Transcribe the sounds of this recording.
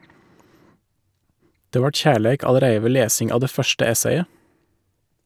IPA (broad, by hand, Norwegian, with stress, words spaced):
ˈdeː ˈʋɑːʈ ˈçæːɭæɪk ɑləˈɾæɪə ˈʋeː ˈleːsɪŋ ˈɑːʋ ˈdeː ˈfœʃʈə ˈɛseɪə